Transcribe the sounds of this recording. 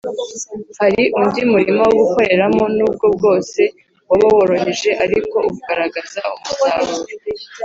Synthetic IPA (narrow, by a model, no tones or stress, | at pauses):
haɾiʔundimuɾimowoɡuko̞ɾe̞ɾamo̞nuːb̚ɡo̞b̚ɡo̞ːse̞ | waβawoɾo̞ɦe̞ʒe̞ʔaɾiko̞ukuɡaɾaɡazaumutaːŋuɾe